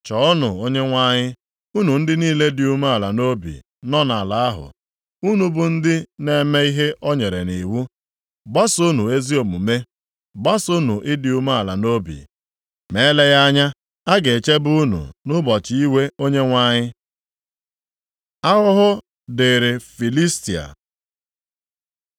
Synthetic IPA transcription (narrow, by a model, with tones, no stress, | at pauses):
t͡ʃɔ˨˦ʊ˦nʊ˨o˦ɲe˦ŋʷa˦ɲɪ˦ | u˦nu˨n̩˦dɪ˦niː˦le˦dɪ˨u˦ma˦a˨la˨no˦bḭ˨ | nɔ˦na˨la˨a˦ɦʊ̰˨ | u˦nu˨bʊ˨n̩˦dɪ˦ne˨me˦i˦ɦe˦ʔɔ˦ɲe˨ɾe˨ni˨wu˦ | ba˦su˦nu˨e˦zi˦o˨mu˨me˦ | ba˦su˦nu˨ʔɪ˦dɪ˨u˦ma˦a˨la̰˨no˦bḭ˨ | me˨˦le˦ɣa˦ɲa˦ | a˦ɡe˨t͡ʃe˦bʊ˦nṵ˨nʊ˦bɔ˨t͡ʃi˦i˦we˦o˦ɲe˦ŋʷa˦ɲɪ˦ | a˦ɦʊ˦ɦʊ˦ | de˨ɾe˨fi˨li˦sti˨a̰˨